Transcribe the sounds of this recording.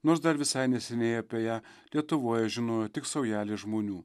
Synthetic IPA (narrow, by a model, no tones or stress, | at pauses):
noːɾsd̪ɐɾʋʲɪsɐɪnʲɛsʲɛnʲeːjɛɐpʲɛjæːlʲiɛt̪ʊʋoːjɛʒʲɪnoːjot̪ʲɪksɐʊjæːlʲɪʒmoːnʲuː